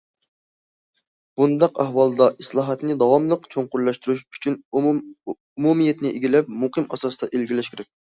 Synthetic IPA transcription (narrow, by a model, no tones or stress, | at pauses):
b̥und̪ɑqæhwɑlˠd̪ɑʔislˠɑːɦɑt̪nɪd̪ɑwɑmlˠəqt͡ʃʰoŋqʊɾlˠɑʃt̪yɾuʃy̥t͡ʃʰyn | umumijɛt̪nɪʔeɡʲilɛp̚muqɨmɑsɑsd̪ɑʔelɡʲilɛʃkʲʰɾɛk̚ʲ